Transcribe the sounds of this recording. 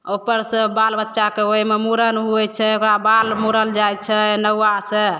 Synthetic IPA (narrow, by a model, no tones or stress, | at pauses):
opəɾsə̃balbətːʃakeɦojmemuɾənɦuɛt͡ʃʰɛokɾabalmuɾəld͡ʒajt̪̚t͡ʃʰɛnəwase